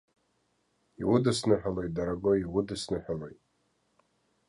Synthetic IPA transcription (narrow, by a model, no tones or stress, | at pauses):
iwʊdɨsnɨħʷᶣalojt̚ʼdaɾaɡʷoiwʊdɨsnɨħʷᶣalo̞jtʼ